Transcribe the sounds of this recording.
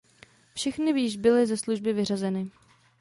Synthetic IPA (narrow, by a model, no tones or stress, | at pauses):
fʃɛxnɪviːʒbɪlɪzɛsluʒbɪvɪrazɛnɪ